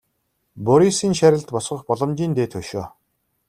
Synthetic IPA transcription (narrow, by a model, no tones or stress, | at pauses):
pʊɾisiːŋʃæɾʲɪ̆ɮt̪pɔsχə̆χpɔɮɞ̆mt͡ɕiːnt̪eːt̪ʰɵʃoː